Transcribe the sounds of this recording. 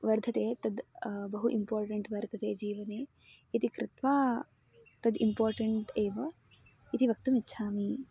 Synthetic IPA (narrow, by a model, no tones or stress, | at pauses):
ʋɐɾd̪ʱɐt̪eːt̪ɐd̪bɐɦuʔimpoːɾʈɐɳʈʋɐɾd̪ʰʱɐt̪eːd͡ʒiːʋɐneː | it̪ikɾɪt̪ʋaː | t̪ɐd̪impoːɾʈɐɳʈeːʋɐ | it̪iʋɐk̚t̪umitːʃʰaːmi